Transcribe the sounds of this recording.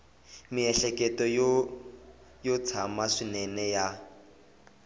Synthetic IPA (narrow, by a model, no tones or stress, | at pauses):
miɛɬɛkɛtɔj | jot͡sʰamaʂinɛnɛja